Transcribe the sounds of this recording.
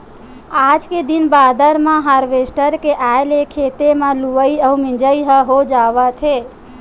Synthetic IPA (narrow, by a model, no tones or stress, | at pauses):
ad͡ʒked̪inbad̪əɾmãɦaɾʋesʈəɾkeʔaelekʰet̪emãluʋəiəũmĩd͡ʒəiɦəɦod͡ʒaʋat̪ʰe